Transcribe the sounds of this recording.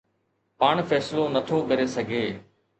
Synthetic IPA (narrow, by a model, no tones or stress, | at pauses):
paːɳ̃fɛːslonət̪ʰoːkɐɾeːsɐɡʱeː